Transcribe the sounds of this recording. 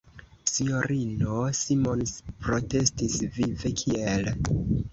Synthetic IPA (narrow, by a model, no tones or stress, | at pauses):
siɲo̞ɾinosimo̞nspɾo̞te̞stisvive̞kʰiel